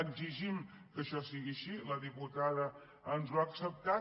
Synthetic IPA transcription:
əɡziʒim | kəʃɔsiɣiəʃiləðiput̪aðə | ənzlwuaksəp̚t̪a

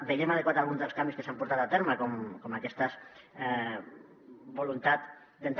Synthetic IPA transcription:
beʎemað̞ekwat̪alˠɣunzðəlˠskambiskesampuɾt̪at̪at̪eɾmakomkomakɛst̪as | bolunt̪at̪ | d̪ent̪

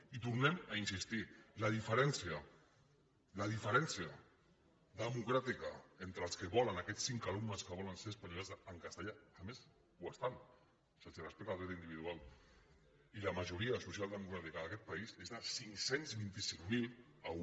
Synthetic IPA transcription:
it̪uɾnɛmainsist̪iləðifəɾɛnsiə | ləðifəɾɛnsiə | ðəmukɾat̪ikaent̪ɾəlˠskəβɔlənakɛt͡sːiŋkalumnəskəβ̞ɔlənseɾəspaɲlazəŋkast̪əʎaːmes | wast̪an | sasirəspɛk̚t̪alɾɛt̪ind̪iβiðualˠ | ilamaʒuɾiasusialˠd̪əmukɾat̪ikəðəkɛt̪̚paizezðəsiŋsenzβint̪isiŋmil | a

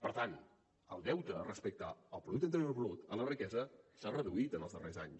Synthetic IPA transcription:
pəɾt̪an | əlˠd̪ɛwt̪əːrəspək̚t̪aːlˠpɾuðukt̪ənt̪əɾiorβlut̪ələrikɛzəsarəðuit̪ənəlˠzðərezaɲs

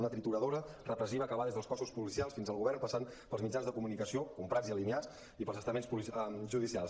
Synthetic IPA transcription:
nət̪ɾit̪uɾəðoɾərəpɾəsiβəːkəβaðezðəlˠskɔsuspulisialˠsfinzəlˠɣuβɛrnpəsan | pəlˠzmid͡ʒanzðəkumunikəsiokumpɾad͡ziəlimiat͡s | ipəlˠzəst̪əmenspuliʒuðisialˠs

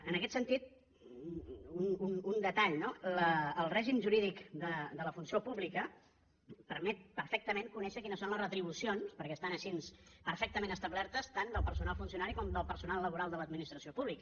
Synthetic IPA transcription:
ənəkɛt̪sənt̪it̪̚ | ununund̪ət̪aʎnoləːlˠrɛʒimʒuɾiðikd̪əd̪ələfunsiopuβlikə | pəɾmɛt̪̚pəɾfɛk̚t̪əmeŋkunɛʃəkinəsːonləsrət̪ɾiβ̞usionspəɾkɛːst̪anəʃinspəɾfɛk̚t̪əmẽnəst̪əβlɛɾt̪əst̪and̪əlˠpəɾsunalˠfunsiunaɾikɔmd̪əlˠpəɾsunalˠːəβuɾalˠd̪ələd̪̚minist̪ɾəsiopuβlikə

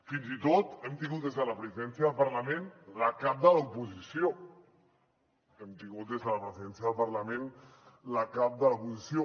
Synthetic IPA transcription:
finzit̪ot̪ɛmt̪iŋɡut̪̚d̪ezðələpɾəziðɛnsjəðəlˠpəɾləmẽnləkap̚d̪əlaupuzisijo | ɛmt̪iŋɡut̪̚d̪ezðələpɾəziðɛnsjəðəlˠpəɾləmẽnləkap̚d̪əlaupuzisio

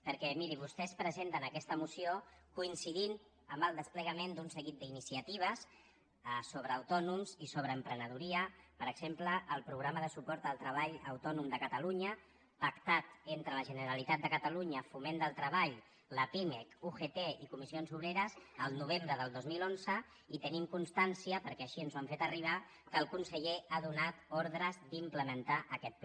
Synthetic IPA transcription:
pəɾkɛmiɾiβust̪ɛspɾəzent̪ənəkɛst̪əmusiokuinsiðin | əmbəlˠd̪əspləɣ̞əmend̪unsəɣit̪̚d̪əinisiət̪iβ̞əs | soβɾəːwt̪ɔnumzisoβ̞ɾəːmpɾənəðuɾiəpəɾəɡz̥empləʔːlˠpɾuɣ̞ɾaməðəsupɔɾt̪əlˠt̪ɾəβ̞aʎəwt̪ɔnumd̪əkət̪əluɲə | pəkt̪at̪ent̪ɾələʒənəɾəlit̪at̪̚d̪əkət̪əluɲəfumend̪əlˠt̪ɾəβaʎ | ləpimɛkuxet̪eikumisionzuβɾeɾəzəlˠnuβ̞embɾəðəlˠd̪ozmilonzə | it̪ənimkunst̪ansiəpəɾkɛəʃiənzwamfet̪əriβ̞a | kəlˠkunsəʎeaðunat̪ɔɾðɾəzd̪impləmənt̪aʔəkɛt̪̚p

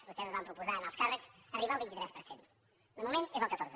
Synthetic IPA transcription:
sβust̪ɛzəzβampɾupuzaənalˠskarəksəriβalˠβint̪it̪ɾɛspəɾsen | d̪əmumenezəlˠkət̪oɾzə

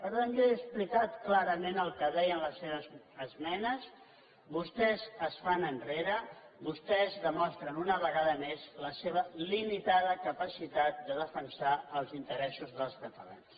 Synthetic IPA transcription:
pəɾəmɡeəsplikat̪klaɾəmenəlˠkəðɛjənləsːeβəz | əzmɛnəz | βust̪ɛzəsfanənreɾə | bust̪ɛzðəmɔst̪ɾənunəβəɣaðəmezləseβ̞əlimit̪aðəkəpəsit̪at̪̚d̪əðəfənsaəlˠzint̪əɾɛsuzðəlˠskət̪əla̰ns

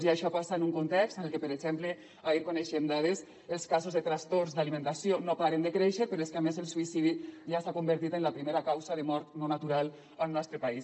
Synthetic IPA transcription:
ziaʃɔpasaenuŋkunt̪ɛkst̪ənelˠkepəɾezɛmple | aiɾkoneʃemd̪að̞es | elˠskazozðet̪ɾast̪orzd̪alimẽnt̪asionopaɾend̪əkɾeʃəpeɾoeskeamezəlˠsuisiðiʒasakumbəɾt̪it̪enlapɾimeɾakawzaðəmɔɾt̪nonat̪uɾalˠ | əlˠnɔst̪ɾəpais

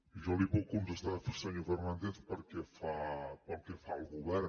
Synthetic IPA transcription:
ʒɔliβɔkunzəst̪afesəɲofərnand̪eθpəɾkɛfapəɾˠkɛfaəlˠɣuβɛr

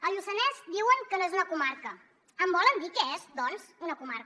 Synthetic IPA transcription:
əʎusənɛzd̪iwəŋkənoɛzunəkumaɾkə | əmbɔlənd̪ikɛezd̪ɔnzunəkumaɾk

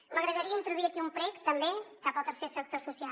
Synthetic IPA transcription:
məɣɾəðəɾiəint̪ɾuðuiəkiumpɾɛkt̪əmbekapəlˠt̪əɾsesək̚t̪osusia

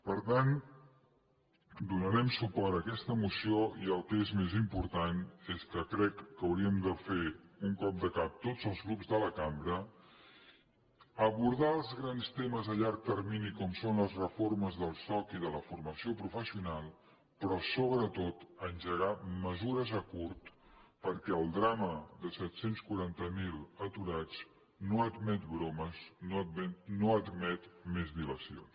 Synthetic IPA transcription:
pəɾt̪an | d̪unəɾɛmsupɔɾəkɛst̪əmusioiəlˠk̪ezmezimpuɾt̪aneskəkɾɛkːəwɾiəmd̪əfeuŋkɔp̚d̪əkap̚t̪od͡zəlˠzɣɾubzðələkambɾə | əβuɾðaəlˠzɣɾanst̪eməzəʎaɾk̚t̪ərminikɔmsonləzrəforməzðəlˠsɔkiðələfurməsiopɾufəsiunalˠ | pɾɔsoβɾət̪ot̪ənʲʒəɣaməzuɾəzəkuɾt̪pəɾkɛəlˠd̪ɾaməðəsɛt̪senskuɾant̪əmilˠət̪uɾat͡s | noəd̪mɛt̪bɾoməsnoɛnoəd̪mɛt̪mezβiləsions

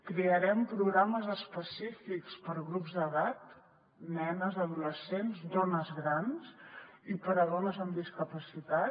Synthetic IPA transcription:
kɾeəɾɛmpɾuɣɾaməzəspəsifikspəɾɣɾupzðəðat̪̚ | nɛnəzəðuləsenzd̪ɔnəzɣɾansipəɾəðɔnəzəmd̪iskəpəsit̪a

